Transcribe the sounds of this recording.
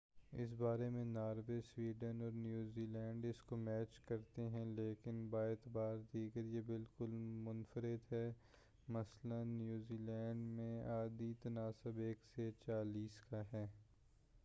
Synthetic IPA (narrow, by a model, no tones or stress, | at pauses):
ɪ̰s̬baːɾemẽnaːɾʋeswiːɖənɔːɾnjuːziːlɛ̃ːɳɖɪskomɛːt͡ʃkɐɾt̪eɦɛ̃leːkɪnbaːeːt̪ɪbaːɾd̪iːɡəɾjebɪlkʊlmʊnfəɾɪd̪ɦɛː | mɐslənːjuːziːlɛ̃ːɳɖmẽaːd̪it̪ɐnaːsɪbeːkset͡ʃaːliːskaɦɛː